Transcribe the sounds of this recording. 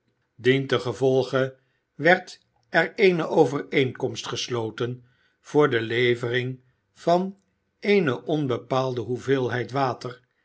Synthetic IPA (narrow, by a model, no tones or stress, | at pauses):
dintəχəvɔlˠχə | ʋɛɹt | ɛɹejnəʔowvəɹejŋkɔmstχəslowtən | v̥ʊːɹdəlejvərɪŋ | v̥ɑn | ejnəʔɔnbəpaːlˠdəɦuvɪːlˠɦɛjtʋaːtər